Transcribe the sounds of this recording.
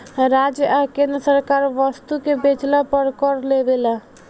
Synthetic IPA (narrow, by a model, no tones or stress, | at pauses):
ɾad͡ʒakẽnd̪ɾəsəɾkaɾʋəst̪ukebet͡ʃlapəɾkɔɾlebela